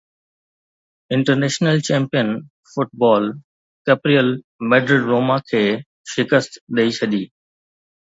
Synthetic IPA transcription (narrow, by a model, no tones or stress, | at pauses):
ɪ̃ɳʈəɾneːʃnəlt͡ɕɛ̃ːmpijən | fʊʈ̚bɔːl | kepɾijəl | mɛːɖɾɪɖɾoːmakʰeː | ʃɪkəst̪ɗɐit͡ɕʰɐd̪iː